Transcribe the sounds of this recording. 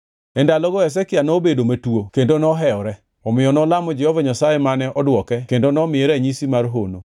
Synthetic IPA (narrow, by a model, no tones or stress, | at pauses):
ɛndalɔɡɔɛs̬ɛkɪanɔbedomatuokendonɔɦɛɔɾɛ | ɔmɪjɔnɔlamɔd͡ʒɛhovaɲasajemanɛʔɔdwɔkɛkendonɔmɪeɾɛɲisimarɦono